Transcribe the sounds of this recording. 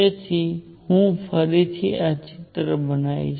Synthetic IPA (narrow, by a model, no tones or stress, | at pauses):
et̪ʰi | hũpʰəɾit̪ʰiʔat͡ʃit̪ɾəbənaḭ